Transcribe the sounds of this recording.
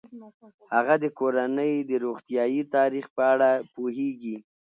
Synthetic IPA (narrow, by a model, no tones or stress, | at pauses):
haɣad̪əkoɾanəjd̪əɾoɣt̪ijɑjit̪ɑɾixpəaɽapoɦeɡi